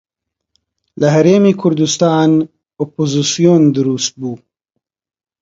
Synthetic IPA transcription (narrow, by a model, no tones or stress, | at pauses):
ləɦɐɾeːmikʰʊɾd̪ust̪ɑːn | opozisijoːnd̪ɨɾust̪̚buː